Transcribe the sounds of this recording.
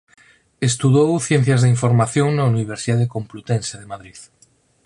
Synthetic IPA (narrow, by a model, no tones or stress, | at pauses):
est̪uðowθjẽn̟θjazðeiɱfoɾmaθjoŋnauniβ̞eɾsiðaðekõmplut̪enseðemaðɾið